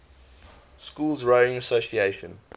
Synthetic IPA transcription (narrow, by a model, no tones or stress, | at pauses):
skuːlzɹoɪ̃ŋəsosieɪʃə̰̃n